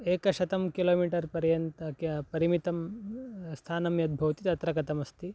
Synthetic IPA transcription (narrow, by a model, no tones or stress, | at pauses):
eːkɐʃɐt̪ɐmkiloːmiːʈɐɾpɐɾjɐnt̪ɐkpɐɾimit̪ɐm | st̪ʰaːnɐmjɐd̪̚bʱɐʋɐt̪it̪ɐt̪ɾɐkɐt̪ɐmɐst̪ʰi